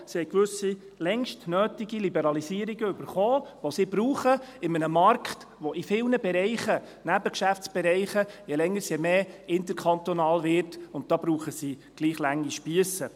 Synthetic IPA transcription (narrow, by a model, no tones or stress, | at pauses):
sihɛjkʋɵsi | lɛŋʃtnøːtiɡilibəɾɑlisiəɾiɡəʏb̥əɾχoːʋosiːbɾuːχəɪmənəmɑɾkχt | ʋɔʔifɪlnəbɛɾɛɪχə | næbəkʃæft͡sb̥ɛɾɛɪχəjɛlɛŋːəɾsjɛmeːɪnt̪əɾkʰɑntonɑːlvɪɾtʊntd̥̪ɑːbɾuːχəsiː | ɡ̥liːχlæŋːiʃpiəsə